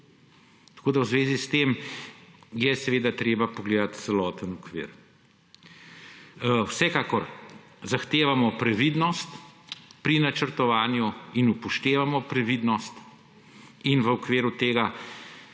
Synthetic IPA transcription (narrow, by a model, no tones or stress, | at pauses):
t̪ɐ̥koːd̪awzʋeːzist̪em | jɛsɛʋeːd̪at̪ɾeːbapɔɡleːd̪at̪t̪sɛlɔːt̪ənukʋḭːɾ | wsɛkaːkɔɾ | zaxt̪eːʋamɔpɾɛʋid̪nɔst̪pɾinat͡ʃəɾt̪ɔʋaːnjuinupɔʃt̪eːʋamɔpɾɛʋid̪nɔst̪ | inʋəukʋeːɾut̪eːɡa